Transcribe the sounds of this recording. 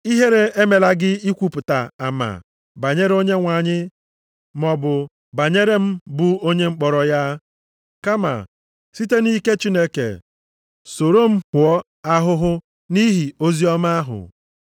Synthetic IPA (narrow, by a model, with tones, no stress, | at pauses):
i˦ɦe˦ɾe˦e˦me˨la˦ɡɪ˦i˦kʷu˦pʊ˨ta̰˨a̰˨ma̰˨ | ba˨ɲe˦ɾe˦o˦ɲe˦ŋʷa˨ɲɪ˦ | mɔ˨bʊ˨ | ba˨ɲe˦ɾe˦m̩˦bu˦o˦ɲe˦ŋ͡m̩˦k͡pɔ˨ɾɔ˨ja˦ | ka˦ma̰˨ | si˦te˦ni˦ke˦t͡ʃi˦ne˦kḛ˨ | so˨ɾo˦m̩˦hʊ˨ɔ˦ | a˦ɦʊ˦ɦʊ˦ | ni˦ɦi˨o˦zi˦ɔ˦ma˦ɦʊ̰˨